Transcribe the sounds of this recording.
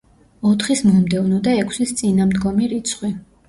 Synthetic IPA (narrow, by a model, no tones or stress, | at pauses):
ɔt̪ʰχismɔmd̪ɛvnɔd̪aɛkʰsist̪sʼinamd̪ɡɔmiɾit̪sʰχwi